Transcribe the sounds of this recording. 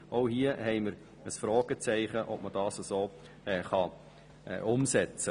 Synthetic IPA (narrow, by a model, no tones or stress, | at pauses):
ʔoʊhiəhɛɪməɾ | əsfɾɔːɡ̥ət͡sɛɪχəʔɔp̚məd̥ɑːsɑsoː | ɛːχɑ | ɛ̰ʔʊmsɛt͡sə